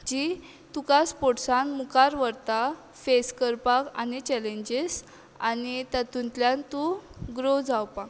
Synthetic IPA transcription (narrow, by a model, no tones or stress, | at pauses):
d͡ʑi | t̪ukaspoʈsanmukaɾʋəɾt̪a | feskəɾpakanit͡ɕɛleɲd͡ʑes | anit̪at̪unt̪ljãnt̪uɡɾod͡zawpak